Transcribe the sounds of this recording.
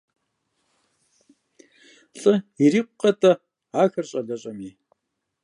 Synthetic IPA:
ɬʼɨiriːqʷʊqɐtʰʼɐ | aːxɐrɕʼɐɮɐɕʼɐmiː

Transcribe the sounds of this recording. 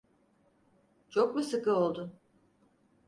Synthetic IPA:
t͡ʃʰok̚busɯkɯo̞lˠd̪ʊ

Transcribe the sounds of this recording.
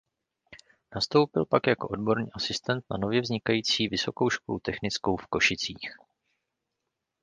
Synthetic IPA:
nast̪o̞wpɪlpakjako̞̰ʔo̞dbo̞ɾɲḭːʔasɪst̪ɛnt̪na̰no̞vjɛvzɲɪkajiːt͡siːvɪsoko̞wʃko̞̰lut̪ɛxnɪt͡sko̞wfko̞ʃɪt͡siːx

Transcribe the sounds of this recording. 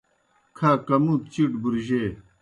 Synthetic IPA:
kʰaːkɐmup̚t͡ɕiʈbuɾʑe

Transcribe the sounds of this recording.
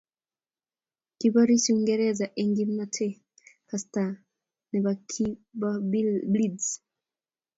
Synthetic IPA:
kiβaɾisiuŋɡɛɾɛzaʔɛŋɡim̩natʰɛ | kasta | niβakʰibablidz

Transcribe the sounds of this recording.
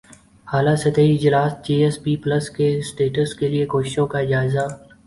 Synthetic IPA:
haːlasɐt̪əiɪd͡ʒlaːsd͡ʒeːespiːpləskesʈeːʈəskeliekoːʃɪʃõkaɪd͡ʒaːɪza

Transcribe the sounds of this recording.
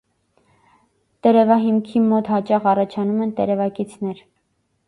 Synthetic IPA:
t̪ɛɾɛvɑɦimkʰimɔt̪hɑt͡ʃɑʁɑrɑt͡ʃʰɑnumɛnt̪ɛ̰ɾɛvɑkit͡sʰnɛɾ

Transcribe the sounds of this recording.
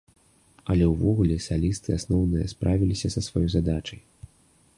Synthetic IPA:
ɐlʲɛwvɔɣulʲɛsalʲist̪ɨasnɔwnɨjɐspɾʔavʲilʲisʲɐsɐsvajɔjzad̪at͡ʂɐj

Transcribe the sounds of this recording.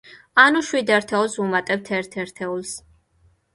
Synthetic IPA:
anuʃwid̪ɛɾt̪ʰɛulˠsumat̪ʼɛbt̪ʰɛɾt̪ʰɛɾt̪ʰɛulˠs

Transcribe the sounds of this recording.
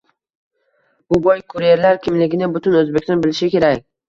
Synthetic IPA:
b̥ʊbɒjkʰʊɾije̞ɾlaɾkʲʰɪmlɪɡʲɪnɪbʊt̪ʰʊnɵzbekʲsɔnbɪlɪʃɪkʲe̞ɾakʲ

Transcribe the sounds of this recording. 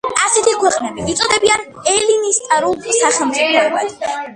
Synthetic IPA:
asɛt̪ʰikʰwɛqʼnɛbiit̪sʼɔd̪ɛbian | ɛlinist̪ʼaɾulˠsaχɛlˠmt̪sʼipʰɾɔɛba̰d̪̥

